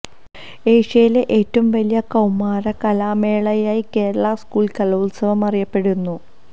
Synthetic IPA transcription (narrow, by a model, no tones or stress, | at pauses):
eːʂejleʔeːtːɐumʋɐlijɐkɐwmaːɾɐkɐlaːme̞ːɭɐjaːjike̞ːɾɐɭɐskuːɭkɐlɐulsɐʋɐmɐrijɐpːe̞ɽunːu